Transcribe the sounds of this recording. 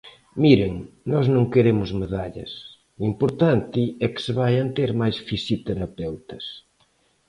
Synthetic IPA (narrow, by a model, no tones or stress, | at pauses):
miɾeŋnɔznõŋkeɾemʊzmeðaʎɐ̰s | uimpoɾt̪ant̪ɪɛkɪ̥sɪβajɐnt̪eɾmajsfisjut̪eɾapɛwt̪ɐs